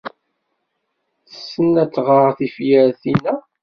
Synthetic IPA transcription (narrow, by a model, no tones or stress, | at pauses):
θə̥sːənːæt͡sːʁəɾθifjəɾθinæ